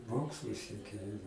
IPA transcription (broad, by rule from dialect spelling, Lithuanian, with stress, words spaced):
ˈmoːkslˠʊ sʲiɛˈkʲeː